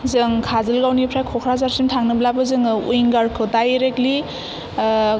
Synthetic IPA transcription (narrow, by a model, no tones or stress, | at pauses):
zɯŋkʰazɯlɡawnipʰɾajkʰɔkʰɾazaɾsintʰaŋnɯblabɯzɯŋṵjŋɡaɾkʰɯtajɾekli